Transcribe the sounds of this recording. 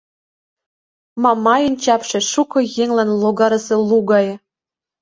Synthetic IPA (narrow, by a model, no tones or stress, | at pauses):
mɑmɑjɤnʲt͡ɕɑpʃĕʃukɤ̆jeŋlænlˠoɡɑɾɤ̆sĕluɣɑj